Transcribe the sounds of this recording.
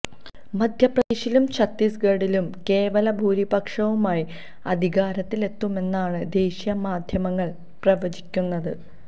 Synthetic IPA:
mɐd̪ʱjɐprɐd̪eːɕilumt͡ɕɐt̪ːisɡɐɽilumke̞ːʋɐlɐbʱuːɾibɐkʂɐʋumaːji | ɐd̪ʱiɣaːɾɐt̪ːile̞t̪ːume̞nːaːɳɨd̪e̞ːɕjɐmaːd̪ʱjɐmɐŋːɐɭ | prɐʋɐd͡ʑikʲːunːɐðɨ

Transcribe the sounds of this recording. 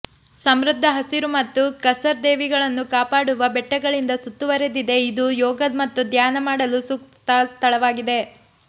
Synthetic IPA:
sɐmɾud̪ʱːɐɦɐsiɾumɐt̪ːukɐsɐɾd̪eːʋiɡɐɭɐnːukaːpaːɽuʋɐbɛʈːɐɡɐɭind̪ɐsut̪ːuʋɐɾed̪id̪e̞id̪ujɔːɡɐd̪mɐt̪ːud̪jaːnɐmaːɽɐlusukt̪t̪ɐst̪ʰɐɭɐʋaːɡid̪e̞

